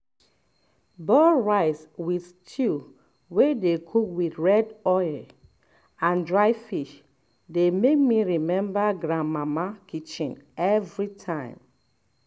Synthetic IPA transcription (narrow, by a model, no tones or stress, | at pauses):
bɔɹaɪswiθtʰu | wedekʰukwiθɹɛdɔɪl | ãndɹaɪfiʃ | demek̚miɹimɛ̃mbaɡɹãnmamakit͡ʃĩnɛvɹitʰãɪ̃m